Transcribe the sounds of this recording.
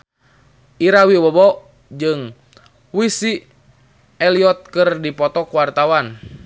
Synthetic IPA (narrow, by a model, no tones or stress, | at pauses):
iɾawiwəbɔ | d͡ʒɨŋ | wisi | ɛliɔt̪̚kɨrdipɔt̪ɔkuwart̪awan